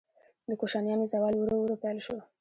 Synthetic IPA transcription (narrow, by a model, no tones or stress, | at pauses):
d̪əkoʃɑnjɑnozawɑlwuɾowɾopelʃo